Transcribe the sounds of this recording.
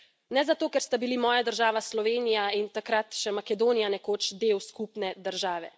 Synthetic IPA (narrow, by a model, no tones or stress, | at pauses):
nɛzat̪oːkɛɾst̪abilimɔːjad̪əɾʒaːʋaslɔʋeːnijaint̪akɾat̪ʃɛmakɛd̪oːnijanɛkoːt͡ʃd̪eːwskupnɛd̪əɾʒaːʋɛ̰